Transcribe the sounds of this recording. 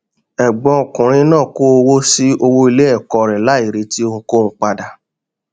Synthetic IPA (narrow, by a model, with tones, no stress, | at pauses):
ɛ˨ɡ͡bɔ̃˧o˨kũ˨ɾ̃ĩ˧nãː˦˨ko˦o˧wo˦si˦o˧wo˦i˧le˦ɛ˦˨kɔ˧ɾɛ˨la˨˦i˦˨ɾe˧ti˦õ˧ko˦˨ũ˧˦k͡pa˧da˨˧